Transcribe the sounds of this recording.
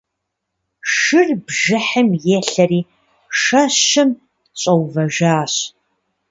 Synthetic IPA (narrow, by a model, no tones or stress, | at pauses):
ʂɨrbʒɨħɨmjeːɬɐriː | ʂɐɕɨm | t͡ɕʼɐwvɐʒaːɕ